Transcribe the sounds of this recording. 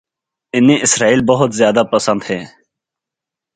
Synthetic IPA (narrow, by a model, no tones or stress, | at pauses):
ɪnĩːʔɪsɾaːiːlbəɦʊt̪zjaːd̪aːpəsə̃nd̪heː